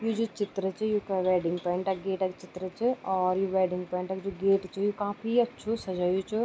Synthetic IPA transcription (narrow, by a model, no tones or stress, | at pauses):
juːd͡ʒot͡ʃɪt̪ɾət͡ʃɪjuːkɛʋɛːɖɪ̃ŋɡpɔ̃ɪɳʈɛɡeːʈɛkt͡ʃɪt̪ɾət͡ʃɪɔːɾjoʋɛːɖɪ̃ŋɡpɔ̃ɪɳʈɛkd͡ʒoɡeːʈt͡ʃʰɪjokaːfiɐtːʃʰosɐd͡ʒaːjot͡ʃʰʊ